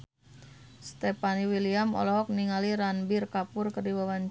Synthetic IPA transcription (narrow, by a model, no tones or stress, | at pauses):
st̪ɛpaniwiliamɔ̰lɔɦɔk̚niŋaliɾanbirkapʊrkərdiwawan